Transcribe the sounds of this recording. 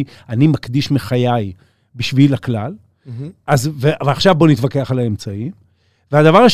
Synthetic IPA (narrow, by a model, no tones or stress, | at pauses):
i | animakd̪iʃmeχajaj | biʃvilaklal | azveʔavaχʃavbo̞nit̪vake̞aχalaemt͡saim | vead̪avaʁaʃ